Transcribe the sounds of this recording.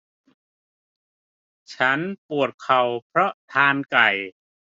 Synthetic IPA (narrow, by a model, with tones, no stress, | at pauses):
t͡ɕʰa˦˥npu˨˩ət̪̚kʰa˨˩wpʰɾɔ˦˥ʔt̪ʰaː˧nka˨˩j